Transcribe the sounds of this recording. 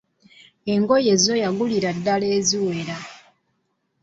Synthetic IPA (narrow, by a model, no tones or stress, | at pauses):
e̞ŋɡoje̞zo̞jaɡuliɾadːaleːziwe̞ɾa